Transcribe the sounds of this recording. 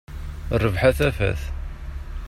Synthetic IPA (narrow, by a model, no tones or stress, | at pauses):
rːəvħaθæfæ̰θ